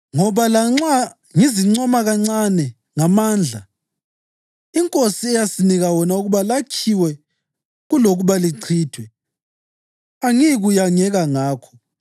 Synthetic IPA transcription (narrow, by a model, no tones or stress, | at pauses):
ŋɔβalaŋ͡ǀa | ŋiziŋ͡ǀɔmaɣaŋ͡ǀanɛ | ŋamaːnd͡ɮʱa | iŋkʼosiɛjasiniɣawɔnauɣuβalakʰiwɛ | ɣuloɣuβaliǀʰiːtʰwɛ | aŋiɣujaŋɛɣaŋaːkʰɔ̥